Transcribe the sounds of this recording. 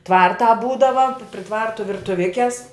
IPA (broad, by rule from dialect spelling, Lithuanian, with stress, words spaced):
ˈtʋɐrtɑː ˈbuːdɐʋɐ pʲrʲɪ ˈtʋɐrtʊ ʋʲɪrtʊˈʋʲɪkʲɛs